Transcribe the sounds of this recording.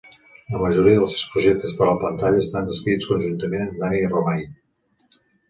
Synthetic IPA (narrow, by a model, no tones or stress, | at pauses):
ləməʒuɾiəðəlˠsewspɾuʒek̚t̪əspəɾləpənt̪aʎəːst̪and̪əskɾit͡skunʒunt̪əmenənd̪aniromaj